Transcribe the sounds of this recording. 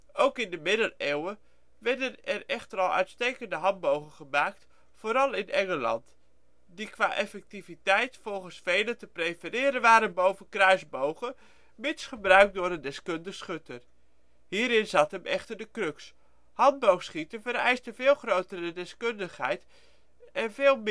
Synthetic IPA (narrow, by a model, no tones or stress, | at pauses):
ʔowkɪndəmɪdəlewə | ʋɛɹdənɛrɛχtəɾɑlˠœ̰ɥtstejkəndəɦɑnbowχəχəmaːkt | foːɾɑlˠɪnʔɛŋəlɑ̰nt | dikʋa̰ːʔɛfɛk̚tivitɛjtfolˠχənsfejlətəprejfərɪːɾənʋaːɾənbowvənkrœɥzbowχə | mɪnsχəbrœɥk̚dʊːrəndɛskøndəxsχøtʰən | hiːɾɪnzatɦəmʔɛχtərdəkrøks | hɑnd̚bowxsχitəvəɾɛ̰jstəvɪːlˠχrowtərədɛskøndəχhɛ̰jt | ʔɛnveːlˠm